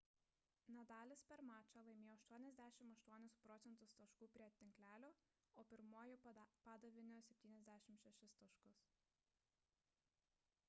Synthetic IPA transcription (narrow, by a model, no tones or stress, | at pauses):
nʲɛd̪ɑːlʲɪspʲɛɾmɑːt͡ʃʲɑːlˠɐɪmʲeːjoːɐʃt̪uɔnʲɛzʲd̪ʲæːʃʲɪmɐʃt̪uɔnʲɪspɾɔːt̪sʲɛnt̪ʊst̪ɐʃkuːpʲɾʲiɛt̪ʲɪŋklʲæːlʲoː | oːpʲɪɾmuɔjʊpɑːd̪ɐʋʲɪnʲɪsʲɛpʲt̪ʲiːnʲɛzʲd̪ʲæːʃʲɪmʃʲɛʃʲɪst̪ɐʃkʊs